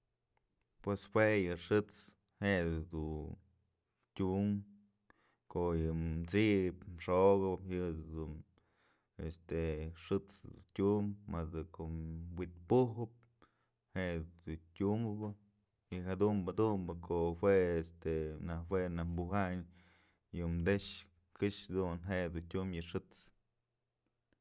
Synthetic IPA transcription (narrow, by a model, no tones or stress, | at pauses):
pweswejɨʂɨt͡s | heʔd̪u | tʲum | koʔjɨt͡sipmʂoɣɨhɨd̪un | est̪eʂɨt͡sd̪ṵtʲummad̪ɨkʰowit̪̚puhɨp̚ | hed̪utʲumɨbɨ | jɨɦad̪umbad̪umbɨkʰoʔhweest̪enawenambuɦaɲ | jɨmd̪eʂ | kɨʂad̪unɦeʔd̪untʲumjɨʂɨt͡s